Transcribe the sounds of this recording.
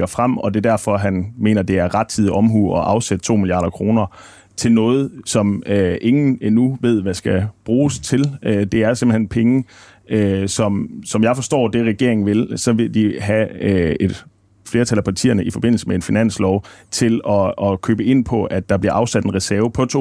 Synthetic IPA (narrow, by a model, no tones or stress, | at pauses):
ɡ̥ɐfʁam̰ɒ̽d̥e̝d̥æɐfɒ̽ɦænme̝̰ːnɐd̥e̝æɐʁäd̥̚t͡sʰið̰ˠʔɒ̽mɦuːɒ̽ʔɑ̈ʊsed̥t͡sʰo̝̰ːmilijɑ̰̈ːɾ̥ɐkʰʁo̝ːnɐ | t͡sʰe̝lnɔ̽ːð̞̩ˠsɒ̽møe̝ŋn̩enuʋe̝ð̰ˠʋæsɡ̥æb̥ʁuːst͡sʰe̝lød̥e̝æɐse̝mb̥l̩henpʰeŋə | sɒ̽msɒ̽mjɑ̈ɪfɒ̽sd̥ɒ̰ːd̥e̝ʁɛɡ̥e̝ɐeŋn̩ʋe̝lsɒ̽ʋe̝d̥iɦæe̝d̥ | fle̝ːɐt͡sʰæl̰æpʰɑ̈t͡sʰḭːɐnəifɒ̽b̥e̝n̰l̩səmee̝nfinæn̰slɒʊt͡sʰe̝lɒ̽ːkʰø̰ːb̥əe̝n̰pʰɒ̽ʔæd̥ɑ̈b̥liɐʔɑ̈ʊsæd̥e̝nʁɛsæɐʊpʰɒ̽t͡sʰo̝